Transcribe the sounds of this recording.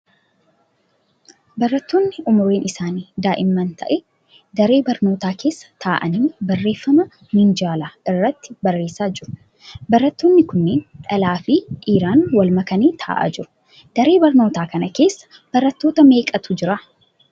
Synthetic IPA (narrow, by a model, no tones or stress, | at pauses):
bɐrːɐt̪ːo̞ːnːɪʔʊmʊɾeːnʔɪsaːniːd̪aːʔɪmːɐnt̪ʰɐ̰ʔɛ | d̪ɐɾe̞ːbɐɾno̞ːt̪aːkʰe̞ːsːɐ̥t̪ʰaːʔɐ̰niːbɐrːe̞ːfːɐmɐ | mɪnd͡ʒaːlaːɪrːɐt̪ːɪ̥bɐrːe̞ːsaːd͡ʒɪɾʊ̥ | bɐɾːɐt̪ːo̞ːnːɪkʊnːeːnᶑ̪ʼɐlaːfɪʔiːɾaːnwɐlmɐkɐniːt̪ʰa̰ːʔa̰ːd͡ʒɪɾʊ̥ | d̪̥ɐɾe̞ːbɐɾno̞ːt̪aːkɐnɐke̞ːsːɐ̥ | b̥ɐɾɐt̪ːo̞ːt̪ɐme̞ːkʼɐt̪ʊd͡ʒɪɾɐ